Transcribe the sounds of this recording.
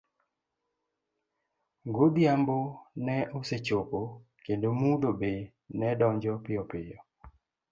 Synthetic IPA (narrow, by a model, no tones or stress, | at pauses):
ŋɡod̪jambonɛʔoset͡ʃopo | kendomudobe | nɛdɔɲd͡ʒɔpɪɔpɪjɔ